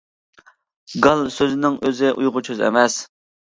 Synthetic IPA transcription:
ɡɑlˠsøznɪŋøzɪʔujʁʊt͡ʃʰøzɛ̰mɛs

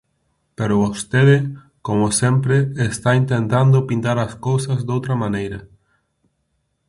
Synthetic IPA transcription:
peɾoβost̪eðɪ | komosempɾeːst̪aint̪ẽnt̪and̪ʊpint̪aɾɐskowsɐzd̪owt̪ɾɐmãnejɾɐ

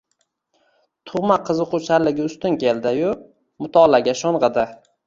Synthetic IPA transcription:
t̪ʰʊʁmaqʰɨzɨqʰʊt͡ʃʰalɪɡʲɪʊst̪ɪnkʲe̞ld̪ɪjʊ | mʊt̪ʰɒlaɡʲaʃoɴʁɨd̪ɪ

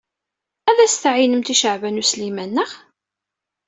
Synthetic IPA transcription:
æðæst̪ʕinəmt̪iʃəʕvænuslimænːəʁ

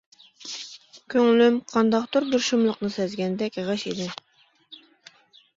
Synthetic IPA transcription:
kʲʰøŋlymqʰɑnd̪ɑqd̪uɾd̪uɾʃumlˠəqnɨsɛzɡʲɛnd̪ɛkʲʁəʃed̪ɪ

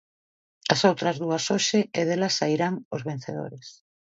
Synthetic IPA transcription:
asowt̪ɾɐzðuɐsoʃɪeðelɐsːaiɾaŋozβen̟θeðo̰ɾes

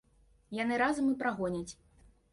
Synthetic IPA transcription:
janɨɾazɐmɨpɾaɣɔnʲɐt͡sʲ

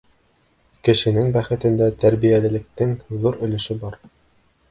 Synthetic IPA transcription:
kɘ̆ʃɘ̆nɘŋbæχɘ̆t̪ɘ̆nd̪æt̪æɾbijælɘ̆lɘ̆k̚t̪ɘŋðuɾɵ̆lɘ̆ʃɘbɑɾ

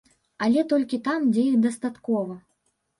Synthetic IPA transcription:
ɐlʲɛt̪ɔlʲkʲit̪amd͡zʲɛjixd̪ɐst̪at̪kɔvɐ

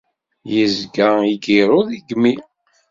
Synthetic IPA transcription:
jəzɡæiɡiɾˤoðiɡmi

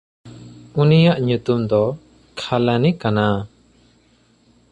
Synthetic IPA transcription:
unijaʔɲut̪umd̪ɔ | kʰalanikana

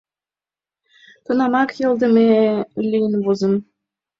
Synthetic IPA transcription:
t̪ɤnɑmɑkjɤ̆lˠd̪ə̆melʲijənβozə̆m

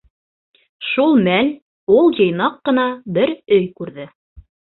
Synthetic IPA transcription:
ʃulˠmæl | ulˠjɤ̆jnɑqːɤ̆nɑbɘɾɵjkʉɾðɘ

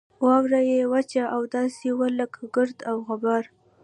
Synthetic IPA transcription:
wɑwɾajewat͡ʃaʔawd̪ɑsewaləkɡəɾd̪awɣabaɾ

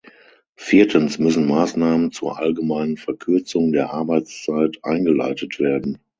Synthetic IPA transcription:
fiːɐtʰənsmʏsn̩maːsnaːmənt͡suːɐʔalɡəmaɪnənfɛɐkʰʏɐt͡sʊŋdeːɐʔaɐbaɪt͡st͡saɪtʰʔa̰ɪnɡəla̰ɪtətv̥eːɐdn̩

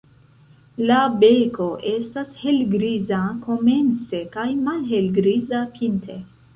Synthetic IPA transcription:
labeko̞ʔe̞stashe̞lɡɾizako̞me̞nt͡se̞kajmalɦe̞lɡɾizapʰintʰe

